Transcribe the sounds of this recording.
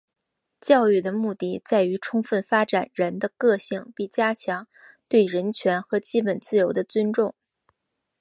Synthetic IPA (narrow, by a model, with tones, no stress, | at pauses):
t͡ɕjɑ˥˧ʊy˥˩d̪ə˩mu˥˧t̪i˥˩t͡sa˥˩ɪy˧˥ʈ͡ʂʰʊ˥ŋfə˥˩nfa˥ʈ͡ʂa˨˩nɻə˧˥nd̪ə˧kɤ˥˧ɕi˥˩ŋpi˥˩t͡ɕja˥t͡ɕʰjɑ˧˥ŋ | t̪we˥˩ɪɻə˧˥nt͡ɕʰɥɛ˧˥nxɤ˧˥t͡ɕi˥pə˨˩nt͡sɹ̩˥˩jo˧˥ʊd̪ə˧t͡sʉ˥nʈ͡ʂʊ˥˩ŋ